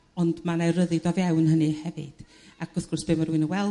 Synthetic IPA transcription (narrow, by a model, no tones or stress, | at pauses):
ɔndmanajrəðɨdɔvjawnɦənɨhɛvɨ̰d̥ | aɡ̥ʊθɡ̥ʊrsb̥eːmaɾuɨnəwɛlˠ